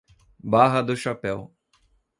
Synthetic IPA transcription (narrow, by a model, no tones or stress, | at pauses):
baɦɐd̪ʊʃapɛw